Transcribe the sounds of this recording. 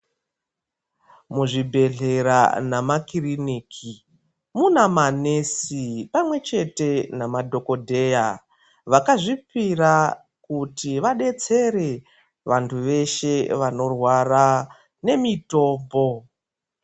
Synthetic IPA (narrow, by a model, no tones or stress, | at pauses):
muʐibʱe̞ɮe̞ɾa̰namakiriniːkʰi | munamanesipamwe̞t͡ʃe̞te̞namadʱo̞ko̞dʱe̞ja | ʋakaʐipira | kutiʋaɗe̞t͡se̞ɾe̞ | ʋantʰuʋe̞ʃe̞ʋano̞rwara | ne̞mito̞ːmbo̞